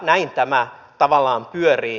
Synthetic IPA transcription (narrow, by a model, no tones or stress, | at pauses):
næint̪æmæt̪ɑʋɑlːˑɑːmpyøriː